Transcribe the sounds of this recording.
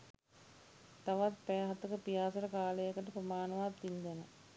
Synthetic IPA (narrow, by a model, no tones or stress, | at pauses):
t̪aʋat̪pɛːɦat̪əkəpijaːsəɾəkaːləjəkəʈəprəmaːnəʋaːt̪ːind̪ɛnə